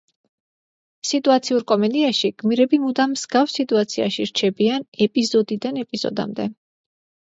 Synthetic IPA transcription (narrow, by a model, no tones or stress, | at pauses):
sit̪ʼuat̪sʰiuɾkʼɔmɛd̪iaʃiɡ̥miɾɛbimud̪amsɡafsːit̪ʼuat̪sʰia̰ʃiɾt͡ʃʰɛbianɛpʼizɔd̪id̪anɛpʼiz̥ɔ̰d̪a̰md̪ɛ